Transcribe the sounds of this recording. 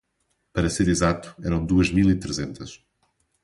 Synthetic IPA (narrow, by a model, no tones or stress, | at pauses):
pɐɾɐseɾizat̪u̥ɛɾɐ̃w̃d̪uɐʒmilˠit̪ɾɨzẽnt̪ɐʃ